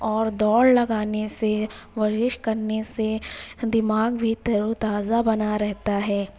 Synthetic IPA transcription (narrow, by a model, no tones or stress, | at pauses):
ɔːɾd̪ɔːɽlɐɡaːneseʋɐd͡ʒɪʃkɐɾnesed̪ɪmaːɡbʱit̪ɐɾut̪aːzabɐnaɾɛɦt̪aɦɛː